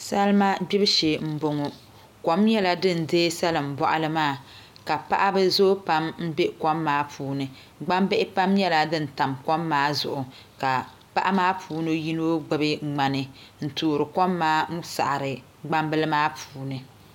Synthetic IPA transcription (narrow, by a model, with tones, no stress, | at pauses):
sa˦lma˦bi˦bʃe˨m̩˦bo˨ŋɔ˨ | kɔ˦mjɛ˦la˨dɨ˦˨n̩˨deː˦sa˦lɨ˨m̩˨bɔ˨ʔa˦lɨ˦maː˦˨ | ka˨pa˦ʔa˦bɨ˦zo˦pa˦mm̩˦be˦kɔ˦mːaː˦pʰuː˨˦nɨ˨ | ɡ͡ba˦mbɨ˦ʔɪ˦pa˦mjɛ˦la˨dɨ˦n̩˨ta˨mkɔ˦mːaː˦zʊ̰˨ʔʊ˨ | ka˨ | pa˦ʔa˦maː˦pʰuː˦no˦ji˦no˦ɡ͡bɛ˨bɨ˦ŋ͡ma˨nɨ˨n̩˨tuː˨ɾɨ˨kɔ˦mːaː˦m̩˦sa̰˨ʔɾɨ˨ | ɡ͡ba˦mbɨ˦lɨ˦maː˦pʰuː˦nɨ˨